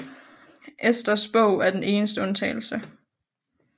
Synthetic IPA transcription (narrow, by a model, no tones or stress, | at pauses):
ʔesd̥ɐsb̥ɔʊ̰æɐd̥ene̝ːnəsd̥əɔ̽nt͡sʰɛ̰ɪl̩sə